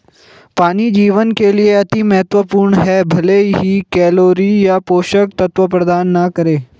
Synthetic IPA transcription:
paːnid͡ʒiːʋənkelieɐt̪imɐɦət̪ʋəpuːɾɳɦɛbʱɐleɦikɛːloːɾijapoːʃək̚t̪ɐt̪ʋəpɾɐd̪aːnːɐkəɾeː

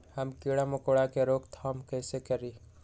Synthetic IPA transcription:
həmkiːɽamʊkoːɽakeɾoːkt̪ʰaːmkɛːsekəɾiː

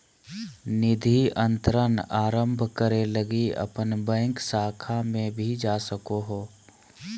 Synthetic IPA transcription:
nɪd̪ʱiʔə̃nt̪ɾənaːɾə̃mbʱkəɾeləɡiə̰pənbə̃ɪŋksaːkʰamẽbʱid͡ʒaːsəkoɦoː

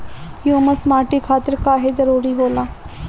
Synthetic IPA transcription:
hjuːməsmaːʈikʰaːt̪əɾkaːɦezəɾuːɾiɦoːlaː

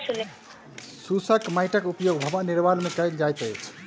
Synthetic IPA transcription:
sul | susəkmajʈəkupjoɡ̚bʱəbaniɾbalmekəjld͡ʒajt̪əjt͡ʃʰ

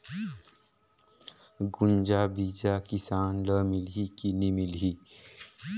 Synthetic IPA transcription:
ɡund͡ʑabid͡ʑakisanləmilɦikinimilɦi

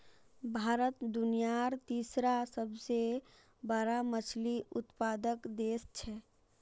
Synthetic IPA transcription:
bʱaːɾət̪d̪unijaɾt̪isɾasəbʱse | bəɾamət͡ʃʰliʊt̪pad̪əkd̪est͡ʃʰɛ

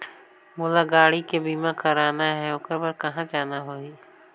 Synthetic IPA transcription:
moːlaɡaːɽikebiːmãkʰɐɾaːnaɦɛʊkəɾbɐɾkɐɦãd͡ʒaːnaɦoːiː

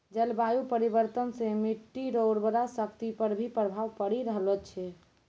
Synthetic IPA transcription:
d͡ʒɛlbajupəɾibəɾt̪ənsẽmiʈːiɾoɾbəɾasəkt̪ipəɾbʱipɾəbʱaʋpəɽiɾəɦlɛt͡ʃʰɛ

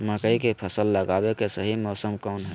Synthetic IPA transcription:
məkəikepʰəsəlːəɡabekesəɦimɔːsəmkɔnɦɛ

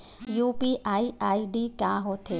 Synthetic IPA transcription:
jupiʔaːiaːiɖikjãːɦoːt̪ʰe

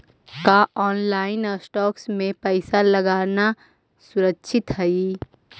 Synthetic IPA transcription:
kaʔɔːnlaːɪnəsʈɔːksmẽpəɪsaləɡaːɾna | sʊɾəkʃʰɪt̪ɦəi

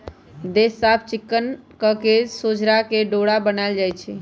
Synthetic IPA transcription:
d̪esːab̚ʰt͡ʃikːənkəkesod͡ʒɾakeɖoɽabənaɪld͡ʒajt͡ʃʰɛ

